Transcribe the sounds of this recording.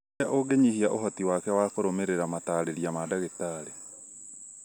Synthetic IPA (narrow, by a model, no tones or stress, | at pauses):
aʔoɡeɲihiaʔoɦɔtiwakɛwakoɾomeɾeɾamataːɾeɾiamadaɣetaɾe